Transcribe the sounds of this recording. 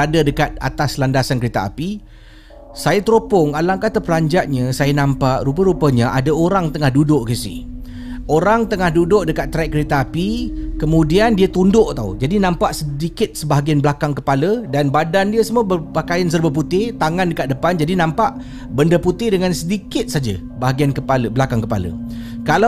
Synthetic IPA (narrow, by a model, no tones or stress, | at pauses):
adədəkat̪̚a̰t̪aslandasankəɾet̪aʔa̰pi | sajat̪ɾopʊŋalaŋkat̪əpəlaɲd͡ʒaʔ̚ɲəsajanãmpaʔɾup̬əɾupəɲəʔadaoɾaŋt̪əŋahdudʊʔkəsḭh | oɾaŋt̪əŋahdudʊʔdəkat̪ːɾak̚kːəɾet̪aːpikəmũdiandiat̪undʊʔt̪aṵd͡ʒadinãmpaʔsədikɪt̪̚səbaɦaɡianbəlakaŋkəpalədanbadandiəsəmuəbəpakajans̬ərbəp̬ut̪ɪt̪aŋandəkat̪̚dəpand͡ʒadinãmpaʔ | bəndəput̪ɪdəŋansədikɪt̪̚sad͡ʒə̰ | baɦaɡiankəpaləbəlakaŋkəpa̰lə̰kala